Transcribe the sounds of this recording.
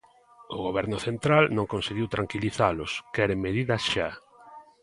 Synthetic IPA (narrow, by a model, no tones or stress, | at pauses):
ʊɣoβ̞ɛɾnʊθent̪ɾalnõŋkonseɣiwt̪ɾaŋkiliθalʊskɛɾemeðiðɐsʃa